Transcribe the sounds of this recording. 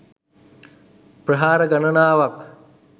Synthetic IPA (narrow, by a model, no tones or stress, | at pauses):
pɾəɦaːɾəɡɐnənaːʋak